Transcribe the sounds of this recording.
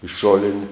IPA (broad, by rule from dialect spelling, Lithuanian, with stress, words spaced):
ɪʃ ˈʃoːlʲɪnʲɪ